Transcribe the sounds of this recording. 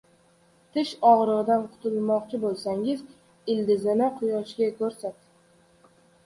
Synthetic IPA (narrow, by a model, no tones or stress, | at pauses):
t̪ʰɪʃɒʁɾɨʁɨd̪anqʰʊ̥t̪ʰʊlˠmɒqt͡ʃʰɪbolˠsaŋɪz | ɪld̪ɪzɪnɪqʰʊjɒʃɡʲakʰɵɾsat̪